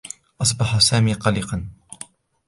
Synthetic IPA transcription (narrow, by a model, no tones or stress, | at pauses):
ʔɑs̬ˤbɑħasaːmiːqɑliːqɑn